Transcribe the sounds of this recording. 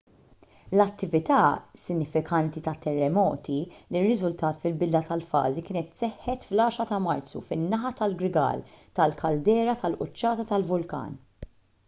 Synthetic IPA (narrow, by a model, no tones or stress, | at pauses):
lɐt̪ːɪvɪt̪ɐːsɪnːɪfɪkʰɐnt̪it̪ɐt̪ːɛrːɛmɔ̰ːt̪ilirːɪzʊlt̪ɐːt̪fɪlbɪd̪lɐt̪ɐlfɐ̰ːzikɪːnɛt̪sɛħːɛt̪flɐːʃɾɐt̪ɐmɐɾt͡sṵfɪnːɐħɐt̪ɐlɡɾɪɡɐ̰ːlt̪ɐlkʰɐld̪ɛːɾɐt̪ɐlʔʊt͡ʃːɐːt̪ɐt̪ɐlvʊlkɐ̰ːn